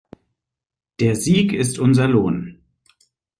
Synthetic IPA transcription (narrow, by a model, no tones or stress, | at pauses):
d̥eːɐziːkɪstʰʔʊnzɐloːn